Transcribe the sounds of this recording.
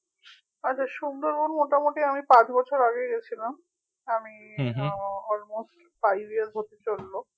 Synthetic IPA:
atːɕʰaʃund̪ʱoɾkonmoʈamoʈiamipãt͡ɕbɔt͡ɕʰoɾaɡeɡɛt͡ɕʰilam | ami | ɔlmosʈ | fajbiaɾɦot̪et͡ɕolːo

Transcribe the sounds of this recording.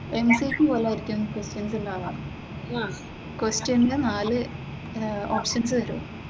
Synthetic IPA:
emsikʲːupoːlaːiɾikʲːumnːɐkwesʈjɐnsilːaːlaːɳ | a | kwesʈjɐnnenaːlɨ | o̰ːpʂɐnsɨt̪ɐɾṵ

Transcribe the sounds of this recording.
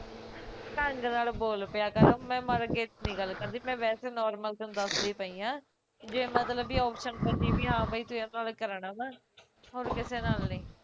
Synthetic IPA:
ʈə̃ŋɡnaːlboːlpɪjaːkəɾãmɛ̃ːməɾɡeːt̪nĩːɡəlːkəɾnd̪iːmɛ̃ːʋɛːseːnɔːɾməlkənd̪əsd̪iːpəĩːãː | d͡ʒeːmət̪ləbiːɔːpʃənpəndiːbiːɦãːbəiːt̪ʊãnaːlkəɾəɳaːmɛ̃ː | ɦoːɾkɪseːnaːlnəĩː

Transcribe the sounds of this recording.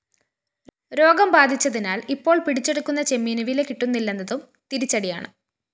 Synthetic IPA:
ɾo̞ːɡɐmbaːd̪ʱit͡ɕːɐðinaːlipːo̞ːɭpiɽit͡ɕːe̞ɽukːunːɐt͡ɕemːiːnɐʋilekiʈːunːilːɐnːɐðum | t̪iɾit͡ɕːɐɽija̰ːɳɨ̰

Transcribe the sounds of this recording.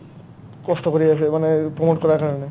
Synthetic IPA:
kɔst̪okoɾiaʃʰemanepɾomoʈkɔɾaɾkaɾɔne

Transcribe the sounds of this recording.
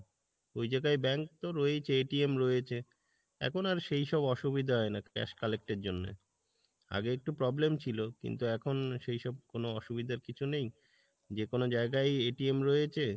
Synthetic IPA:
ojd͡ʑaɡajbɛŋk̚t̪oɾɔet͡ɕʰeeʈiemɾɔjet͡ɕʰe | ɛ̰kʰonaɾʃejʃɔbɔʃubid̪ʱaɦɔenakɛ̰ʃkalek̚ʈeɾd͡ʑonːḛ | a̰ɡeek̚ʈupɾɔblemt͡ɕʰilokḭnt̪uɛkʰonʃejʃɔb̚konoɔʃubid̪ʱaɾkit͡ɕʰunej | d͡ʑekonod͡ʑaeɡajeʈiemɾɔjet͡ɕʰe

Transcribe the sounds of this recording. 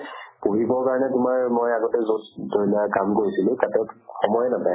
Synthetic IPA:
puɦibɔɹkaɹɔnɛtʊmaɹmojaɡɔtɛzosdoɹilakamkoɹisilʊ̃tatɛxɔmɔjnapaj

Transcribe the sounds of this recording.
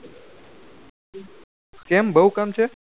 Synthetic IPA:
kembəɦukamt͡ʃʰe

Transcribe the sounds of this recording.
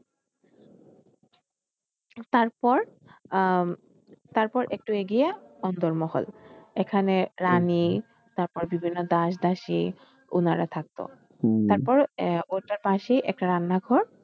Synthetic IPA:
t̪aɾpɔɾ | t̪aɾpɔɾʔek̚ʈueɡijaɔnd̪ɔɾmɔɦɔ̰lekʰaneɾani | t̪aɾpɔɾbibʱinːod̪aʃd̪aʃi | ṵnaɾat̪ʰak̚t̪o̰ | t̪aɾpɔɾoʈaɾpaʃiʔɛ̰k̚ʈaɾanːaɡʱɔɾ

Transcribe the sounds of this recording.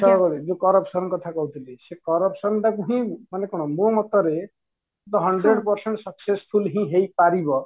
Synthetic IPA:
ʃɔɔkɔɾid͡ʒũkɔɾɔpsɔnkɔt̪ʰakɔɦut̪ʰilisekɔɾɔpsɔnʈakuɦĩmanekɔɽ̃ɔmomɔt̪ɔɾe | ɔt̪ɔɦʌɳɖɾeɖpɔɾseɳʈsɔksespʰulɦĩɦejpaɾibɔ

